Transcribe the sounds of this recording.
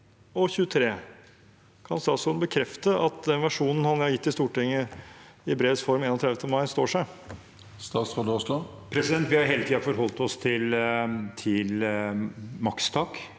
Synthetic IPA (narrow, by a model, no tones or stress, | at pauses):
ɔçʉːət̪ʰɾeː | kʰɑnst̪ɑːt̪sɔd̪bəkʰɾɛft̪əʔɑt̪d̪ɛnʋæʂuːnn̩hɑnjæɑɾjɪt̪ːɪst̪uːʈɪŋːəɪɪbɾeːəsfɔɾmeːnɔt̪ʰɾɛd̪ʋət̪əmɑɪst̪oːʂæɪ | st̪ɑːt̪sʁɔd̪ɔslɔ | pʰɾɛsɪd̪ɛnt̪ʋɪhɑɾɦeːlət̪iːɑfɔɾɦɔlt̪ɔst̪ʰɪlt̪ʰɪl | mɑkst̪ʰɑːk